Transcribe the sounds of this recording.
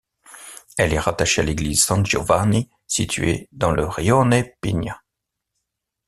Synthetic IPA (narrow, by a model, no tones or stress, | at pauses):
ɛlɛʁat̪aʃealeɡlizsɑ̃nt̪ʒo̰vani | sit̪ʰɥḛd̪ɑ̃ləʁjɔnɛpḭnja